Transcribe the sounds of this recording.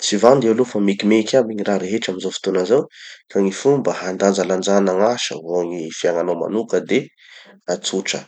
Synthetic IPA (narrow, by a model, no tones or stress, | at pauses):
t͡sivand̪ewlofamikimekʲabiɲiraɾeɦeʈ͡ʂaminzofi̥t̪onazawkʰaŋifumbəhand̪and͡zaland͡ʒanaŋaʃə̰voŋifiaŋanoma̰nukəd̪e | at͡suʈ͡ʂə̰